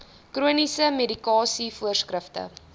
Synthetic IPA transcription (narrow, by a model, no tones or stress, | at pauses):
kruənisəmedikɑːsifuərskrəftə̰